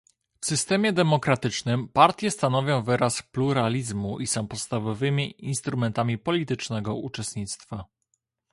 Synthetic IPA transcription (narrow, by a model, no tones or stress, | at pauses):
fsɘst̪ɛmʲjɛd̪ɛmɔkɾat̪ɘt͡ʂnɘmpaɾt̪ʲjɛst̪anɔvʲjɔ̃w̃vɘɾaspluɾalʲizmuʔisɔ̃w̃pɔt̪st̪avɔvɘmʲiinst̪ɾumɛnt̪amʲipɔlʲit̪ɘt͡ʂnɛɡɔut͡ʂɛst̪ɲit̪st̪fa